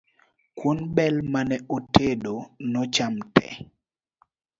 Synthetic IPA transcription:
kwonbɛlmanɛʔotedonɔt͡ʃamtɛ̰

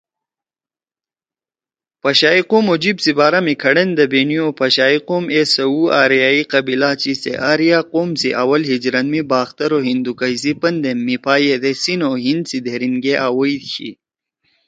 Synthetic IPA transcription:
pɐɕaːiqoːmod͡ʑibsibaːɾɐmikʰɐɽɐnd̪ɐbeniopɐɕaːiqomesɐuaːɾjaːiqɐbilaːt͡ɕisḛʔaɾjaqoːmsiʔɐwɐlɦid͡ʑɾɐnmibaːxt̪ɐɾoɦind̪ukɐjs̬ipɐnd̪emːipʰaːjed̪esinoɦind̪sid̪eɾinɡeʔaːwɐjd̪ɕḭ

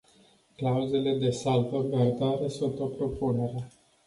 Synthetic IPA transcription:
klauze̞le̞d̪e̞salvəɡard̪oaɾesunt̪opɾo̞pune̞ɾea

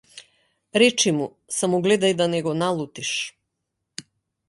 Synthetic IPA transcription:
ɾɛt͡ʃimu | samɔɡlɛd̪ajd̪anɛɡɔnalˠut̪iʃ

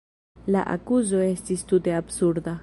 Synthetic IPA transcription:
la̰ʔa̰kuzo̞e̞stistute̞absuɾda

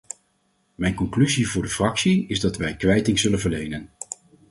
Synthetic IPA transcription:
mɛjnkɔŋklyzivʊːɹdəfrɑksiɪzdɑtʋɛjkʋɛjtɪŋzɵlənvəɹlejnən

